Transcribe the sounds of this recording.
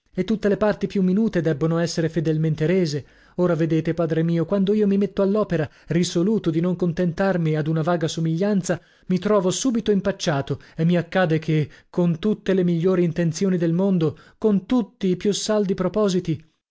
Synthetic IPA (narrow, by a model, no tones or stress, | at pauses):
et̪ːut̪ːelepart̪ipjumːinuːt̪ed̪ɛbːonoɛsːeɾefed̪elment̪eɾeːze | oːɾaved̪eːt̪epaːd̪ɾemiːokwand̪oiːomimet̪ːoalːɔːpeɾarisoluːt̪od̪inoŋkont̪ent̪armiad̪unavaːɡasomiʎːant̪sa | mit̪ɾɔːvosuːbit̪oimpat͡ʃːaːt̪oemːiakːaːd̪ekʰekːont̪ut̪ːelemiʎːoːɾiːnt̪ent̪sjoːnid̪elmond̪okont̪ut̪ːiːpjusald̪ipɾopɔːzit̪i